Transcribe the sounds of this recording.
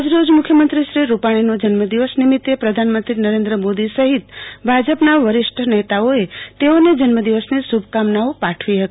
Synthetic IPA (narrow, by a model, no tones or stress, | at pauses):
d͡ʒɾod͡ʒmʊkʰjəmənt̪ɾiʃɾiɾupaɽ̃inod͡ʒənməd̪iʋəsnimit̪ːepɾəd̪ʱanmənt̪ɾinəɾẽnd̪ɾəmod̪isəɦit̪bʱad͡ʒəpnaʋəɾɪʃʈʰənet̪aoet̪eoned͡ʒənməd̪iʋəsnisubʱkamnaʋopaʈʰʋiɦət̪i